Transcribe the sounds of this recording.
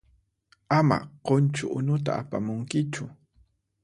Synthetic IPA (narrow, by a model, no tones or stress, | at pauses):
ama̰qont͡ʃʊʔʊnʊt̪a̰apamʊŋkɪt͡ʃʊ